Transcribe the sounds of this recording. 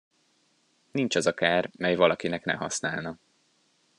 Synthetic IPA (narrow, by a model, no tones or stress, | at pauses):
nint͡ʃɒzɒkaːrmɛjvɒlɒkinɛknɛ̰ɦɒ̰snaːlnɒ